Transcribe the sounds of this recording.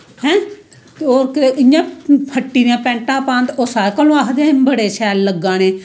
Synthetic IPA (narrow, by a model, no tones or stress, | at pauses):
hɛ̃ː | t̪eoːɾkɪeʔɪjãːpʰəʈːiːnjãːpɛ̃ːɳʈãːpãːnt̪oːsaːɾkəlõːaːkd̪ãːbəɽeːʃʰɛːlːəɡːãːneː